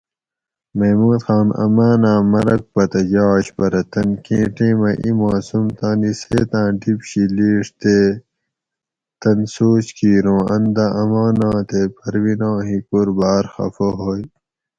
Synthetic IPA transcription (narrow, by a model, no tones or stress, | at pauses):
mɐːmuːd̪xaːnɐ̰maːnãːmɐɾɐk̚pɐt̪ɐd͡ʑaːɕbɐɾɐt̪ɐnkẽːʈẽːmɐʔimaːsumt̪ãːniseːt̪ãːɖipɕiliːʂt̪eː | t̪ɐnsoːɕkʰiːɾõːɐnd̪ɐʔɐmaːnãːt̪epʰɐɾwinãːɦikuɾbaːɾxɐ̰foɦoːj